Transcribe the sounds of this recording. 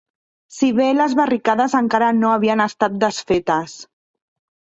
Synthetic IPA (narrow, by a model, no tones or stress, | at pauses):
siβeləzβərikaðəzəŋkaɾənoəβ̞iənəst̪at̪̚d̪əsfet̪əs